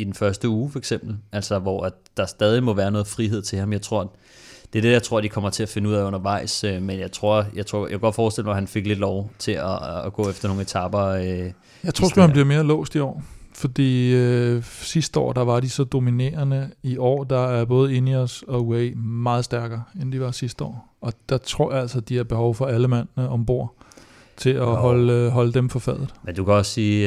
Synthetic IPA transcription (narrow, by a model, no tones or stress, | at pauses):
id̥enfɶɐsd̥əuːfɒeɡ̥sem̰b̥l̩æl̰sɒʋɒæ̥ | d̥ɑ̈sd̥ɛːð̞ˠimɒ̽ʋæːɐnɔ̽ːð̩ˠfʁiɦe̝ð̞̰ˠt͡sʰe̝hɑ̈mjɑ̈ɪt͡sʰʁo̝ɐ̰ | d̥eæɐd̥e̝jaɪt͡sʰʁo̝ɐ̰d̥ikʰɒ̽m̰ɐt͡sʰe̝æfe̝nəuð̰ˠɛɪɔ̽nɐʋɑ̈ɪ̰sømenjɑ̈ɪt͡sʰʁo̝ɐ̰jɑɪt͡sʰʁo̝ɐ̰jakʰæɡɒ̽d̥fɒːsd̥e̝l̰ɒhænfe̝ɡ̥le̝d̥lɒʊt͡sʰe̝æːɡ̥ɔ̰̽ːefd̥ɐno̝ːŋ̩e̝t͡sʰɑ̈b̥ɐø | jäɪt͡sʰʁo̰sɡ̥umhænbliɐme̝ːɐlɔ̰̽ːsd̥iɒ̰ːfɒ̽d̥ḭːøsisd̥əɒ̰ːd̥ɑ̈ʋɑ̈disɒ̽d̥o̝mine̝̰ːɐnəiʔɒ̰ːd̥ɑ̈æɐb̥ɔ̽ːð̞̩ˠe̝niɒsɒ̽uemɑ̈ːð̞̩ˠsd̥æɐɡ̥ɐːend̥iʋɑ̈sisd̥əɒ̰ː | ɒ̽d̥ɑ̈t͡sʰʁo̝ɐ̰jɑ̈æl̰sɐd̥iæɐb̥e̝hɒʊfɒ̽æləmæn̰nəʔɒ̽mb̥o̝ɐ̰ | t͡sʰe̝ɒɦɒ̽lɦɒ̽ləd̥emfɒ̽fɛð̰̩ˠmend̥ukʰæɒ̽ssiː